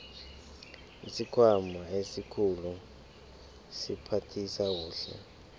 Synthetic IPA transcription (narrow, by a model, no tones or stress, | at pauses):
isikʰwamaesikʰulu | sipʰatʰisawuːɬɛ̰